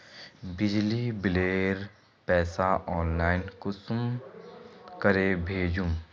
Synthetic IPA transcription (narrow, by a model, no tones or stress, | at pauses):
bɪd͡ʒlibɪleːɾ | pɛːsaʔɔːnlaːɪnkʊsm | kəɾebʱeːd͡ʒum